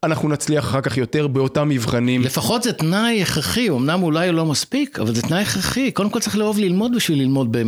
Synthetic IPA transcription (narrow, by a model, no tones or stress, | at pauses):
anaχnunat͡sliaχaχaʁkaχjo̞te̞ʁbeo̞tamːivχanimle̞faχo̞t̪zet̪najeχʁaχio̞mnamulajolo̞maspikʰa̰valzet̪najeχʁaχiko̞demkolt͡saʁiχleo̞vlilmo̞dbiʃvilːilmo̞d̚be